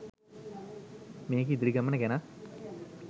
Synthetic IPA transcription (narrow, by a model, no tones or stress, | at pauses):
meːkid̪iɾiɡɐmːɐnɐkena